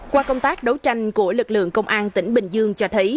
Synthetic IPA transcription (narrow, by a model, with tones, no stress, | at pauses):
kwaː˧kə˧wŋ͡mt̪aː˦˥k̚ɗə˨˦wt͡ɕa˧jŋ̟ku˧˩əlɨ˨˩k̚lɨ̰˧˨əŋkə˧wŋ͡mʔaː˧nt̪ï˧˩ŋ̟ɓï˨˩ŋ̟zɨ˧əŋt͡ɕɔ˧t̪ʰə˨˦j